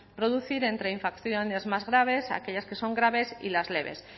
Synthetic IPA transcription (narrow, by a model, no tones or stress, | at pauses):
pɾo̞ðuθiɾe̞nt̪ɾe̞iɱfakθjonezmazɣɾaβ̞e̞sa̰keʎaske̞so̞ŋɡɾaβ̞e̞sḭlazle̞βḛs